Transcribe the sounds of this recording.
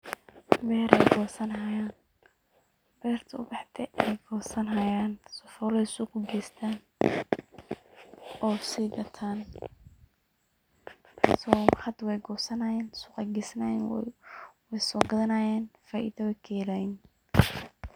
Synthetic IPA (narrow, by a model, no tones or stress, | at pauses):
bɛːɾʔɛjɡɔːsɐnhajaːn | b̥ɛːrt̪ʰɐʊ̰bɑħd̪ʰɛʔɛjɡɔːsɐnɦɐjaːnsɔfɔːlɛjsʊqʊɡɛːst̪ʰaːn | ɔːsiːɡɐt̪ʰaːn | sɔːħɐd̪wɛjɡɔːsɐnɐjɛːnsʊːqɛɡɛsɐna̰jɛ | wɛjsɔːɡɐðɐnaːjɛːnfaːʔḭːðɐwɛkʰɛːlajɛn